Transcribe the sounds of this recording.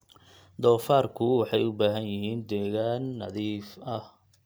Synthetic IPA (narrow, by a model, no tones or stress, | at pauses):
d̪ɔːfaːrkʰʊwɑħɑjʊbaːɦɐnjɪɦiːnd̪ɛːɣaːnːɐ̰ðiːfɐh